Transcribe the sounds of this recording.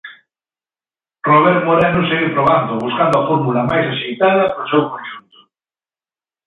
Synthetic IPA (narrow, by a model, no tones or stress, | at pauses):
roβ̞ɛɾt̪moɾenoseɣiɾpɾoβ̞and̪ʊβuskand̪oafoɾmulɐmajsaʃejt̪að̞ɐpɾosewkonʃunt̪ʊ̥